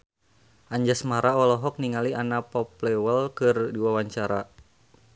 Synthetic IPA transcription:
ʔaɲd͡ʒasmaɾaɔlɔɦɔk̚niŋaliʔanapɔplɛwəlkɨrdiwawaɲt͡ʃaɾa

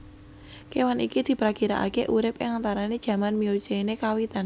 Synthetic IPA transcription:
kewanikid̪̥i̤pɾakiɾa̰ʔa̰keʔuɾɪpɪ̰ŋant̪aɾaned̥ʒ̥ä̤manmio̥t͡ʃeinekawit̪an

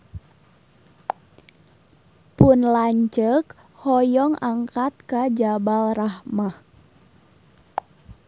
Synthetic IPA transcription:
pʊnlaɲt͡ʃək | hɔjɔŋaŋkat̪̚kad͡ʒabalrahmah

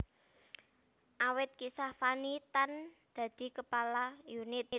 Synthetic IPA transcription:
ʔawɪt̪̚kisafanit̪and̪̥ä̤d̪̥i̤kəpalajunɪt̪̚

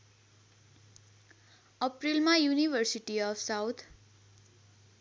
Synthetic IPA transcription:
ʌprilmajunibʱʌrsiʈiʌfsawt̪ʰ

